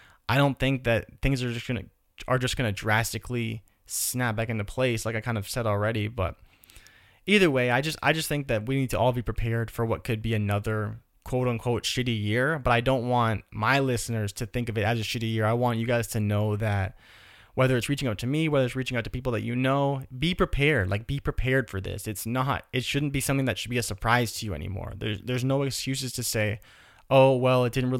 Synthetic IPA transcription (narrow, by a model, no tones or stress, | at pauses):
ʔaɪɾõʊ̃nθɪ̃ŋk̚ðɨt̪̚θɪ̃ŋzə˞ʌsɡ̥ʌnɨ̰ | ə˞d͡ʒʌsɡ̥ʌnɨdɹæstɨkʰli | snæp̚b̥ækɨ̃ntɨpʰl̥eɪslaɪkaɪkʰãɪ̃ndʌv̥sɛɾl̩ˠɹɛɾibʌ̰ɾ | iðə˞weɪaɪd͡ʒʌsta̰ɪd͡ʒʌst̪̚θɪ̃ŋk̚ðɨt̚winid̚tʰəʔɔlˠbipʰɹ̥ipʰɛɹd̥fə˞wʌt̚kʰɨd̚biɨnʌðə˞ | kʰw̥oʊɾ̃n̩kʰw̥oʊtʃɪɾijɪɹbʌɾaɪdõʊ̃nʔwɑ̃nmaɪlɪsnə˞z̥tʰɨθɪ̃ŋkʌvɨɾɨzɨʃɪɾijɪɹaɪwɑ̃nt͡ʃɨɡaɪz̥tʰɨnoʊðɨt̚ | wɛðə˞ɨtsɹit͡ʃɪ̃ŋʌʊtʰɨmiwɛðə˞ɨtsɹit͡ʃɪ̃ŋʌʊtʰɨpipl̩ˠðɨ̰t͡ʃɨnoʊbipʰɹ̥ipʰɛɹd̥la̰ɪk̚b̥ipʰɹ̥ipʰɛɹd̥fə˞ðɪ̰sɨtsnəɾɨtʃʊdⁿn̩b̥isʌ̃mθɪ̃ŋðɨtʃɨd̚biɨsə˞pʰɹ̥aɪz̥tʰɨjɨɛ̰nḭmɔ̰ɹðə̰˞zðə˞znoʊɨkskjʉsɨz̥tʰɨseɪ | ʔoʊwɛlˠɪt̚d̥ɪdⁿn̩t̚ɹɪ